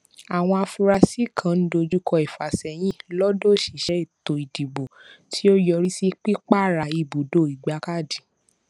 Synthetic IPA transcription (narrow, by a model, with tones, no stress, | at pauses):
a˨w̃ɔ̃˧a˧fu˧ɾa˧si˦˨kʰã˨˦n̩˦do˧d͡ʒu˦kʰɔ˧i˨fa˨sɛ˨j̃ĩ˦lɔ˦do˦˨ʃi˨ʃɛ˦i˦˨to˨i˨di˨bo˨tʰi˦o˦jɔ˧ɾi˦si˦k͡pi˦k͡pa˦˨ɾa˨i˧˨bu˨do˦˨i˨ɡ͡ba˨˧˦ka˦˨di˨